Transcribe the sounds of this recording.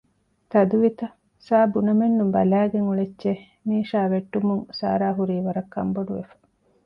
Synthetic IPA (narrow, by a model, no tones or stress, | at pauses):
t̪ɐd̪uʋit̪ɐ | saːbunɐmenːumbɐ̰læːɡeŋuɭet͡ʃːt͡ʃe | miːʃaːʋeʈːumuŋsa̰ːɾaːɦuɾiːʋɐɾɐkʰːɐ̰mboɖuʋḛfɐ̥